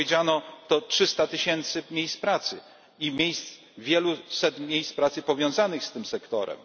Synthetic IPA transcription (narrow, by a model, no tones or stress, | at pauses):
ed͡ʑanɔt̪ɔtʂɘst̪at̪ɘɕɛnt̪sɘmʲjejspɾat̪sɘ | imʲjejst̪s | vʲjɛlusɛt̪mʲjejspɾat̪sɘpɔvʲjɔ̃w̃zanɘxst̪ɘmsɛkt̪ɔ̰ɾɛ̰m